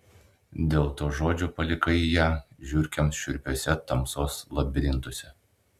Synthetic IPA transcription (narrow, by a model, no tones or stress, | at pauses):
d̪ʲeːlˠt̪oːʒoːd͡ʒʲuːpɐlʲɪkɐɪjæːʒʲʊɾʲkʲɛmʃʲʊɾʲpʲoːsʲɛt̪ɐmsoːslˠɐbʲɾʲɪnt̪ʊsʲɛ